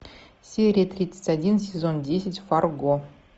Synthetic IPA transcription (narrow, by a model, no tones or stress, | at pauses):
sʲeɾʲiət̪rʲit̪sə̥tʲadʲinsʲezondʲesʲɪtʲfarɡo